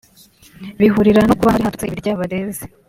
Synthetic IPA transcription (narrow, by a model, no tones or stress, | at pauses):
βiɦuɾiɾanokuβahaɾihaɾteβiɾɟaːβaɾe̞ːze